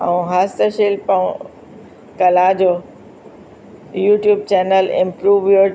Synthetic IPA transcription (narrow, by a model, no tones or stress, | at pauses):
ɐ̃ũɦaːst̪əʃeːlpɐ̃ũ | kɐlaːd͡ʑo | juːʈjuːb̚t͡ɕɛːnəlɪ̰̃mpɾuːʋjo